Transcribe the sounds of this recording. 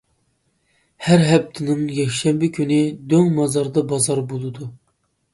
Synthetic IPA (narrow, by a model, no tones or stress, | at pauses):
hæɾɦɛp̚t̪ʰɪnɨŋjɛkʲʃɛmbɪkʲʰynɪd̪øŋmɑzɑɾd̪ɑbɑzɑɾbolˠɨd̪u